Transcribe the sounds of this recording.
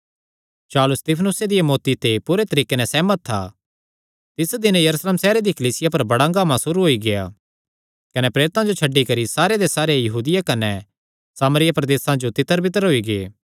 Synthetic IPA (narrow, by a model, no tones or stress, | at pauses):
t͡ʃaːlʊst̪ɪpʰənʊsed̪ɪjamoːt̪it̪epuɾet̪ɐɾiːkenɛsɛːmət̪ʰːa̰ː | t̪ɪsd̪ɪnjɐɾusleːmsɛːɾed̪ikɐliːsɪjapɐɾbɐɽaɡaːmãsʊɾuɦoːiɡeja̰ | kɐnɛpɾeːɾɪt̪ãd͡ʒot͡ʃʰɐɖːikɐɾisaːɾed̪esaːɾejɐɦuːd̪ɪjakɐnɛ | saːmɾɪjapɾɐd̪eːsãd͡ʒot̪ɪt̪ːəɾbɪt̪əɾɦoːiɡeː